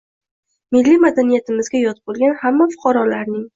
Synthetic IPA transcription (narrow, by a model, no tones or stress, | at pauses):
mɪlːimad̪anijat̪ɪmɪzɡʲajɒt̪̚bolˠɡʲanhamːafʊ̥qʰɑɾɒlaɾnɪŋ